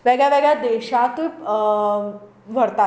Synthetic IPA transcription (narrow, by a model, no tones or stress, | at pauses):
ʋɛɡɭjaʋɛɡɭjad̪eɕat̪u | ʋ̤ʱəɾt̪a